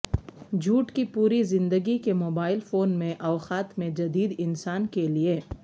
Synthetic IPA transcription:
d͡ʒʱuːʈkipuːɾizɪ̃nd̪əɡikemoːbaːɪlfoːnmẽʔɐːxaːt̪mẽd͡ʒɐd̪iːd̪ɪnsaːnkelie

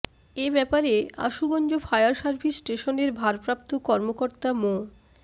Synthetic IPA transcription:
ebɛpaɾea̰ʃuɡɔnd͡ʑofajaɾʃaɾbʱisʈeʃoneɾbʱaɾpɾap̚t̪okɔɾmokoɾt̪amo

